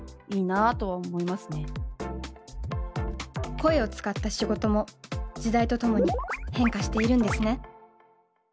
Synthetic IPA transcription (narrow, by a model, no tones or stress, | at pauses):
iːnat̪o̞βaomo̞imasɨne̞ | ko̞e̞o̞t͡sɨ̥kat̪ːaɕiɡo̞t̪o̞mo̞d͡ʑid̪ait̪o̞t̪o̞mo̞ɲ̟ihẽ̞ŋkaɕi̥t̪e̞iɾɯ̟̃nd̪e̞sɨne̞